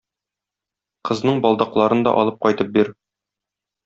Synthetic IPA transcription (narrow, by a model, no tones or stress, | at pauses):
qɤ̆znɤɴbɒlˠd̪ɑqlˠɑɾɤnd̪ɒ̰ʔɒ̰lˠɤp̚qɒjt̪ɤp̚biɾ